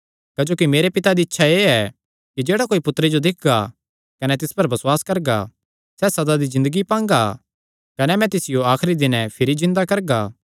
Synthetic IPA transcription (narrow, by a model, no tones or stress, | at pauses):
kad͡ʒoːkimeːɾepɪt̪ad̪iɪtːʃʰaeːɛ | kid͡ʒeːɽakoːipʊt̪ːɾed͡ʒod̪ɪk̚ʰɡa | kɐnɛt̪̬ɪspɐɾbɐswaːskɐɾɡa̰ | sɛːsɐd̪ad̪izɪ̃nd̪əɡipãːŋɡa | kɐnɛmɛ̃t̪ɪsɪjoaːxɾid̪ɪnɛpʰɪɾizɪ̃nd̪akɐɾɡaː